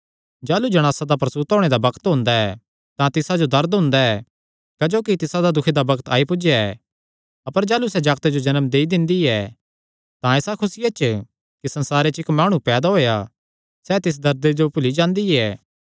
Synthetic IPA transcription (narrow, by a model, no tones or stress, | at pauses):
d͡ʒaːlud͡ʒɐɽ̃aːsad̪apɾɐsuːt̪ɦoːɽ̃ed̪abɐkt̪ɦʊ̃ːnd̪aɛː | t̪ãt̪ɪsad͡ʒod̪ɐɾd̪ɦʊ̃ːnd̪aɛː | kɐd͡ʒoːkit̪ɪsad̪ad̪ʊkʰed̪abɐkt̪aːipʊd͡ʒjaɛ | ɐpəɾd͡ʒaːlusɛd͡ʒaːɡt̪ed͡ʒod͡ʒɐnəmd̪eːid̪ɪ̃nd̪iɛː | t̪ãeːsakʰʊsɪjat͡ʃ | kisɐ̃nsaːɾet͡ʃɪkmaːɽ̃ũpɛːd̪aɦoːja | sɛt̪ɪs̬d̪ɐɾd̪ed͡ʒopʊlid͡ʒãːnd̪iɛː